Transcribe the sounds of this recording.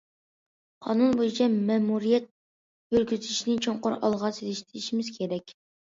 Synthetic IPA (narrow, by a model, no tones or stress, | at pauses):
qʰɑ̰nunbojit͡ʃʰɛmɛmuɾijɛt̪̚ | jøɾɡʲyzɪʃinɪt͡ʃʰoɴqʊɾɑ̰lˠʁɑselɪʃt̪ʰɪɾiʃimɪz̥kʲʰeɾɛkʲ